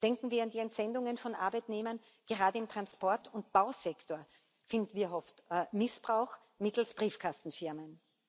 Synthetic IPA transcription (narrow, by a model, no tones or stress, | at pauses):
d̥ɛŋkŋ̩viːɐandiːɛntz̥ɛndʊŋənfɔnʔa̰ɐbaɪtneːmɐn | ɡ̥əʁaːdəɪmtʁ̥anspɔɐtʊnt̚b̥aʊzɛktʰoːɐ | fɪ̃ndn̩viːɐɦɔftmɪsb̥ʁaʊx | mɪtl̩sb̥ʁiːfkʰastn̩fɪɐmən